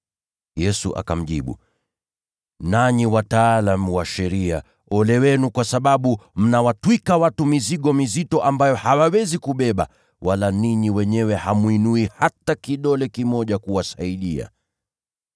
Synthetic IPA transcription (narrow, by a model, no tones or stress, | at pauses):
jɛsuʔa̰kam̩ʄiɓṵ | naɲiwataːlamuwaʃɛɾia̰ | ɔlɛwɛnukwasaɓaɓum̩nawatwikawatumiziɠɔmizitɔʔambajɔhawawɛzikuɓɛɓa̰ | walaniɲiwɛɲɛwɛhamwinuihatakiɗɔlɛkimɔʄakuwasaiɗia̰